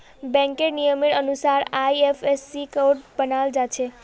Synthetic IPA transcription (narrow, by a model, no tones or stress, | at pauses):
bɛ̃ŋkeɾnijəmiɽənusaɾajepʰesːikoɖbənald͡ʒat͡ʃʰe